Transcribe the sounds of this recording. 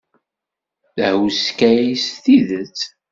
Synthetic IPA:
θəhwskæjisθiðət͡sː

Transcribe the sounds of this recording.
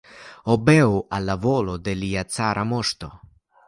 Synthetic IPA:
ɔbɛwalːavoːlod̪eliat̪saɾʔamɔst̪o

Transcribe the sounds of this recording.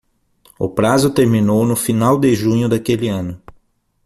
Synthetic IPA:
ʊ̰pɾazʊt̪eɾmĩnownʊfinawd̪ɪʒũɲʊd̪akelɪɐ̃nʊ

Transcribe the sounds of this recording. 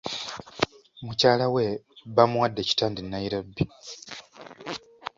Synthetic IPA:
mucaːlaweβamuwadːeci̥taːndinːaiɾabːi

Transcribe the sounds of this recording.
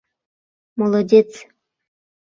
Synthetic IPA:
molˠod̪ʲet͡s

